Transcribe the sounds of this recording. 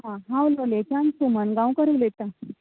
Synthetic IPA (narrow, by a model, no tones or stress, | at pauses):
ɦãɦãwlolet͡ɕãnsumənɡãwkəɾəlet̪a